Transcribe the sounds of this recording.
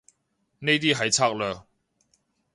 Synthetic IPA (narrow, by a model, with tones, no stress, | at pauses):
ne˥˧t̪̬i˥˨ɦa˨˦jt͡sʰa˥˧k̚lə˧